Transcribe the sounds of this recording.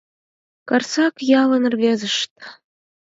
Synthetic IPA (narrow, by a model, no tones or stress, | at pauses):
kɑrsɑkjɑlɤ̆nərvʲezəʃt̪